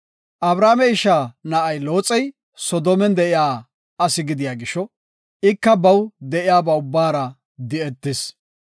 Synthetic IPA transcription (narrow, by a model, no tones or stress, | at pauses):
ʔɐbɾaːmɛɪʃaːnɐʔɐjlo̞ːt͡sʼːɛj | sɔd̪oːmɛnd̪ɛʔɪjaː | ɐsɪɡɪd̪ɪjaːɡɪʃɔ | ɪkːɐbɐwd̪ɛʔɪjaːbɐʊbːaːɾɐ | d̪ɪɛt̪ːɪs